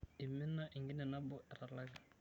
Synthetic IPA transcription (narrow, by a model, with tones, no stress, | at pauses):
ɪ˨mɪ˦na˦ʔɪ˨ŋɡɪ˦nɛ˨na˦bʊ˦ʔɛ˨ɾa˨la˦ɣɛ˨